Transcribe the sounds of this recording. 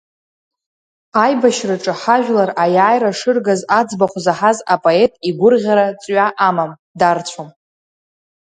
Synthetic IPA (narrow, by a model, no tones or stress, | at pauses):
ajbaʃraʈ͡ʂʼɨħaʒᶣʷlarajaːjɾaʂɨrɡazad͡zbaχʷzaħazapʼoe̞tʼiɡʷʊrʁʲaɾat͡sʼɥaʔamam | dart͡ɕʷʰom